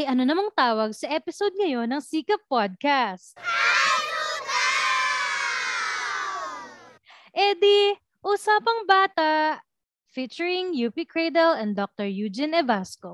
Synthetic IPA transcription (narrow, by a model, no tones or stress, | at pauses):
ʔɐjʔɐnonɐmɐŋt̪aːwɐɡsɐʔɛpɪsod̪̚ŋɐjo̞nɐŋsiːkɐpːod̪̚kast̪̚ | ʔɛd̪i | ʔusaːpɐŋbaːt̪ɐʔ | fit͡ʃɛɹɪŋjuːpikɹɛjd̪ɛlɛnd̪ok̚t̪ɔɹjuːd͡ʒɛnɛvasko